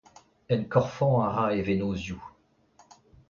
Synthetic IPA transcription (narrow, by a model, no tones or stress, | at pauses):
ɛnkɔʁfɔ̃aʁaevenozju